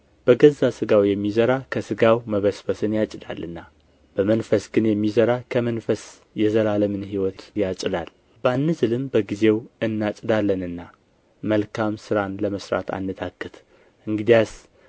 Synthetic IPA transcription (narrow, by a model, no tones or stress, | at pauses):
b̥əɡəzːasɨɡawjɛmːizəɾakʰəsɨɡawməβəsfəsɨnjat͡ʃʼɪd̪a̰lʔɨnːa | b̥əmənfəsɡɨnjɛmːizəɾakʰəmənfəs | jɛzəlaləmɨnɦiwɔt̪jat͡ʃʼɪd̪al | bəanːɨzɨlɨmbəɡize̞wɨnːat͡ʃʼɨd̪alːənɨnːa | məlkʰamsɨɾanləməsɾa̰t̪ʰa̰nːɨt̪ʰakːɨt̪ | ɨŋɡɨd̪ijas